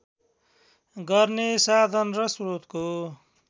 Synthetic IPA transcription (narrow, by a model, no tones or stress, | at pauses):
ɡʌrnesad̪ʱʌnrʌsrot̪ko